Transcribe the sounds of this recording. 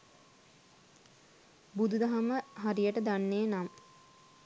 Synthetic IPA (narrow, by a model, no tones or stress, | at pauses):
bud̪ud̪aɦaməɦaɾijəʈəd̪anːeːnam